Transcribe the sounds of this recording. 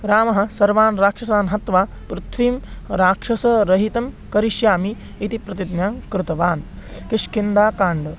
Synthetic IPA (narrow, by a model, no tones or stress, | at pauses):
ɾaːmɐɦɐ̆sɐɾʋaːnɾaːkʂɐsaːnɦɐt̪ʋaː | pɾut̪ʰʋiːmɾaːkʂɐsɐɾɐɦit̪ɐm | kɐɾiʃjaːmiː | t̪ipɾɐt̪id̪njaːŋkɾut̪ɐʋaːnkɪʂkind̪aːkaːɳɖɐ